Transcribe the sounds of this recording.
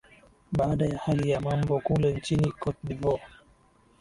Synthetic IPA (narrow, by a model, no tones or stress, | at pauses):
ɓaːɗajahalijamambɔkulɛnt͡ʃinikɔt̚ɗivɔ